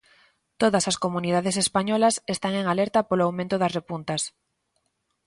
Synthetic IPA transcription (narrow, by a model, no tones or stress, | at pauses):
t̪oðɐsaskomuniðað̞esespaɲɔlɐsest̪aŋeŋalɛɾt̪apoloawmẽnt̪ʊðɐsrepunt̪ɐs